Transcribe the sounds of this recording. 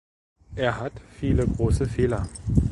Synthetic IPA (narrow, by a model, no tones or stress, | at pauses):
ʔeːɐɦatfiːləɡʁoːsəfeːlɐ